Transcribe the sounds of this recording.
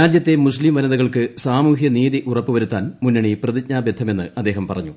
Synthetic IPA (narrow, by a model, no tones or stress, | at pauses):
ɾaːd͡ʑjɐt̪ːe̞muslimʋɐnɐðɐɣɐɭkɨsaːmuːɦjɐniːðiʔurɐpːɨʋɐɾut̪ːaːnmunːɐɳiprɐðit̚ɲaːbjed̪ʱːɐme̞nːɨ̰ɐd̪ːe̞ːɦɐmpɐrɐɲːu